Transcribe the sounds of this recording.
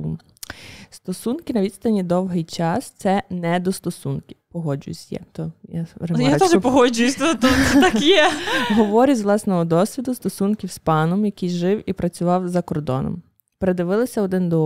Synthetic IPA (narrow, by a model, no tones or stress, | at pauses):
st̪ɔsunkɪnɐʋʲid̪st̪ɐnʲid̪ɔwɦɪjt͡ʃɑst̪sɛnɛd̪ɔst̪ɔsunkʲipɔɦɔd͡ʒʊ̰j̰sʲjɛ̰t̪ɔjaɾejaʒpɔɦɔd͡ʒʊjʊsʲt̪ɔt̪uɛt̪ɑkjɛɦɔʋɔɾʲizʋlˠɑsnɛɦɔd̪ɔsʲʋʲid̪ʊst̪ɔsunkʲiwspɑnɔmjɐkijʒɪwipɾɐt͡sʲʊʋɑwzɐkɔrd̪ɔ̰nɔ̰m | peɾed̪ɪʋɪlˠɪsʲɐɔd̪ɪnd̪ɔ